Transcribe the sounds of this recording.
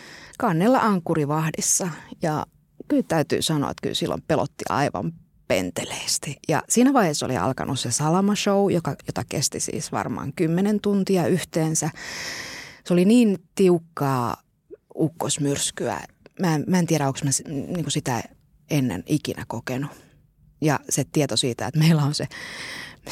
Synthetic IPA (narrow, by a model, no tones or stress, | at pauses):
kɑnːelːɑʔɑŋkːuriʋɑhdisːɑjɑ̰ | kylt̪æyt̪y̰ːsɑno̰ɑ̰et̪ky̰lsilːo̰mpelo̰t̪ːiʔɑ̰iʋɑ̰m | pḛnt̪eleːst̪ijɑ̰siːnæʋɑiheso̰lḭɑ̰lkɑ̰nʔussesɑlɑmɑʃoujokɑjot̪ɑkḛst̪isḭːsʋɑ̰rmɑ̰ːŋkymːenent̪unt̪iɑyht̪eːnsæ | soliniːnt̪iukːɑː | ukːosmyrskyæ̰ | mæmæːent̪iæɾæoksmæsniːŋkusit̪æ | enːḛnikinækokenu | jɑset̪iet̪osiːt̪æet̪meilːˑæonse